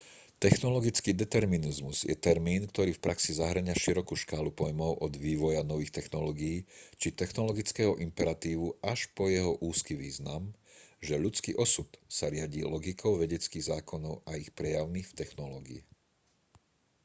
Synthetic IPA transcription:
t̪ɛxnɔlɔɡit͡skiːd̪ɛt̪ɛɾminizmuz̥jɛ̰t̪ɛɾmiːnkt̪ɔɾiːfpɾʔaksizaɦɾ̩ɲaʃiɾɔkuʃkaːlupɔjmɔʊʔɔd̪ʋiːʋɔjanɔʋiːxt̪ɛxnɔlɔːɡijiːt͡ʃit̪ɛxnɔlɔɡit͡skɛːɦɔʔimpɛɾat̪iːʋuaʃpɔjɛɦɔʔuːskiʋiːznamʒɛʎut͡skḭːʔɔsut̪saɾɪaɟiːlɔɡikʰɔʊʋɛɟɛt͡skiːɣzaːkɔnɔʊaixpɾɛjaʊniːxft̪ɛxnɔlɔːɡḭḭ

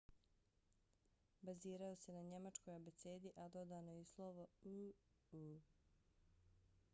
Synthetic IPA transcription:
baziːɾajose̞naɲe̞mat͡ʃko̞jobet̪seːd̪iʔad̪o̞d̪aːnoislˠoʋou | u

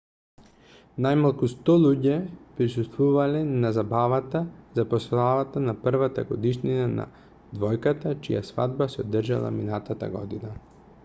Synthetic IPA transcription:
najmalˠkust̪ɔlˠuɟɛpɾisust̪vuvalɛnazabavat̪azapɔslavat̪anaprvat̪aɡɔd̪iʃninana̰ | d̪vɔjkat̪at͡ʃija̰sva̰d̪basɛod̪r̩ʒa̰lˠa̰minat̪at̪a̰ɡɔ̰d̪ina

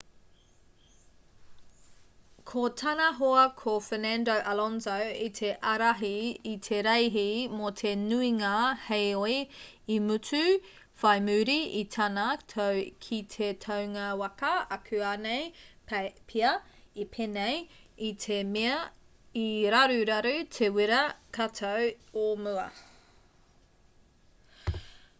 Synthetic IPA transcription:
kʰotʰɐnɐɦoɐkʰofenɛndowʔɐlɔnzowit̪ʰe̞ʔɐɾaɦiːtʰeɾejɦimotʰe̞nuiŋahejoi | imʉt͡sʉ | fɐjmʉːɾiitʰɐnɐkʰit̪ʰetʰɐwŋɐwɐkɐɐkʰʉaːnej | pʰiɐ | ipʰenejit̪ʰemeɐ | iɾaɾʉɾɐɾʉtʰewiɾɐkʰatʰɐwomʉɐ̰

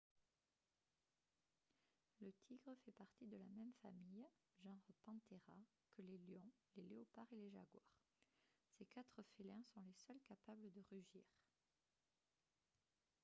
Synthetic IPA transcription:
lət̪ʰiɡʁəfɛpaʁt̪id̪əlamɛmfamij | ʒɑ̃ʁəpɑ̃t̪eʁa | kəleljɔ̃leleɔpaʁeleʒa̰ɡwa̰ʁ | sekat̪χəfelɛ̃sɔ̃lesœlkapabləd̪əʁyʒiːʁ

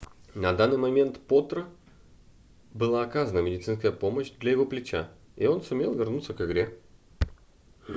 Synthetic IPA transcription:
nɐd̪anːɨjmɐmʲe̞nt̪pot̪ɾə | bɨlˠaːkazənəmʲɪdʲɪt̪sɨnskəjəpo̞məɕd̪lʲɐjɪvo̞plʲɪt͡ɕa̰ | io̞nsʊmʲe̞lˠvʲɪrnut̪səkɨɡɾʲe

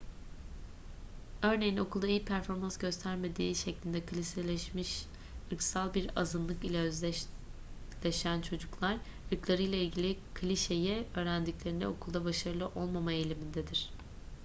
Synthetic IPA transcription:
ø̞ɾne̞jino̞kʰulˠd̪aijipʰæɾfo̞ɾmansɟø̞st̪ʰæɾme̞d̪iːʃeclʲind̪ɛkʰɯlʲiselʲɛmiʃ | ɯksalˠbiɾa̰zɯnlˠɯkilʲɛz | lʲeʃænt͡ʃʰo̞d͡ʒuklˠaɾ | ɯɾklˠaɾɯjlˠailʲɟilʲikʰlʲiʃe̞jɛø̞ːɾænd̪iclʲe̞ɾinɛ̰o̞kʰulˠd̪abaʃaɾɯlˠɯʔo̞lˠmamaelʲimind̪ed̪iɾ̝̥

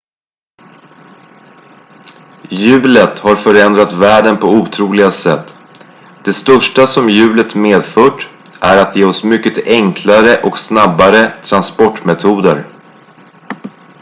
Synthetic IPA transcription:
jʉ̟ːlət̪haɾfœɾɛnd̪ɾat̪væːɖənpʰɔuːt̪ʰɾuːlɪɡasɛt̪ː | d̪̥ɛst̪œʂʈasɔmjʉ̟ːlət̪meːd̪fœːʈ | ʔæɾat̪jeːɔsmʏkːət̪ɛŋkʰlaɾəʔɔksnabːaɾət̪ʰɾanspɔʈːmɛt̪ʰuːd̪əɾ

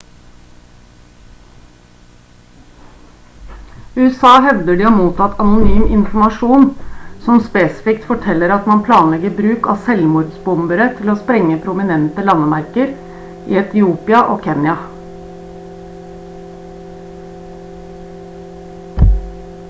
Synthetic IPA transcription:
ʉːɛsɑːɦɛʋd̪əɖiːɑːmuːt̪ʰɑt̪ɑnʊnyːmʔɪ̰nfmɑʂuːnsɔmspeːsɪ̥fɪkt̪fɔʈʰɛlːəɾɑt̪mɑnpʰlɑːnlɛɡəbɾʉːkɑ̰ːsɛlmʊːɾd̪sbʊmbəɾət̪ʰɪloːspɾɛŋːəpʰɾʊmɪnɛnt̪əlɑnəmæɾkəɾ | ʔḭːɛt̪ɪuːpɪɑʔoːkʰɛnjɑ

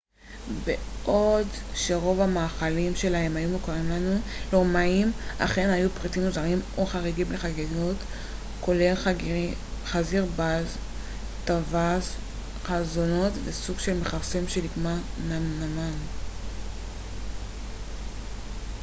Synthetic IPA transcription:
beʔo̞dʃe̞ʁo̞vamaːχalimʃe̞lae̞mhajumukaʁimlanulomaima̰χe̞najupʁitimːozaʁimoχaʁiɡimleχaɡeɡot | ko̞lel | χaziʁbaz | tavaz | χazono̞tvesuɡʃe̞lme̞χapsimʃe̞liɡmananaman

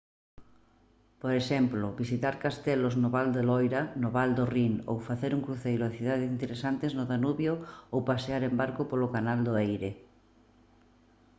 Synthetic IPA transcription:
poɾeʃɛmplʊβisit̪aɾkast̪ɛloznoβald̪elɔjɾanoβald̪oriŋo̰wfaθeɾuŋkɾuθejɾʊaθiðaðesint̪eɾesant̪eznʊðanuβjoowpaseaɾẽmbaɾkʊpolʊkanald̪oejɾe

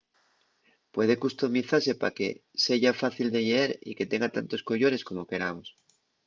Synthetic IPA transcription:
pwe̞ð̞e̞kust̪o̞miθaɾse̞pa̰ke̞̰se̞ʝafaθild̪e̞ʝeeɾḭke̞t̪e̞ŋɡat̪ant̪o̞sko̞ʝo̞ɾe̞sko̞mo̞ke̞ɾamos

